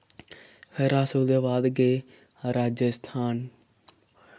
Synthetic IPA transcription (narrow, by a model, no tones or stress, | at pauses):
xeɾaːsoːd̪aːʋaːd̪ɡeː | ɾaːd͡ʒəst̪ʰaːn